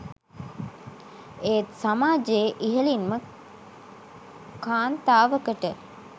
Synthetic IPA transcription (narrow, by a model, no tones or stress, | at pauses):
eːt̪samaːd͡ʒeːʔiɦəlinmə | kaːnt̪aːʋəkəʈə